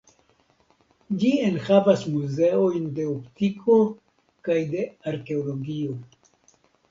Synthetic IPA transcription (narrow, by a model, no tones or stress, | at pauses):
d͡ʒienhavasmuze̞o̞jnde̞optikʰo̞ | kajde̞aɾke̞olo̞ɡio̞